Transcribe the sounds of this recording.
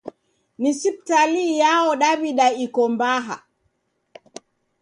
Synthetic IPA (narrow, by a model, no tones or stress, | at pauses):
nisip̚talijaɔɗabiɗaikɔmbaɦa̰